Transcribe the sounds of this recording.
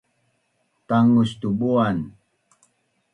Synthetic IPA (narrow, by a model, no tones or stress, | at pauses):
t̪aŋust̪ubuan